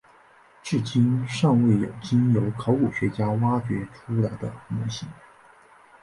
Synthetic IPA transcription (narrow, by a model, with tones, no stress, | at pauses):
ʈ͡ʂɻ̩˥˩t͡ɕi˥nʂɑ˥˧ŋwe˥˩ɪjo̰˨˩ʊt͡ɕi˥njo˧˥ʊkʰo˧˥ʊku˨˩ɕɥɛ˧˥t͡ɕja˥wa˥t͡ɕɥɛ˧˥ʈ͡ʂʰu˥la˧˥ɪd̪ə̰˧mɔ˧˥ɕi˧˥ŋ